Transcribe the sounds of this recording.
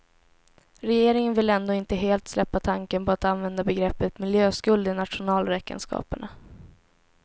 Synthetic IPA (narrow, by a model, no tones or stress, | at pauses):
ɾɛjeːɾɪŋənvɪlɛnd̪oːɪnt̪əɦeːlt̪slɛpːat̪ʰaŋkənpʰɔat̪anvɛnd̪abɛɡɾɛpːət̪mɪljøːskɵld̪ɪnat̪ʂʊnɑːlɾɛkə̰nskɑ̰ːpəɳa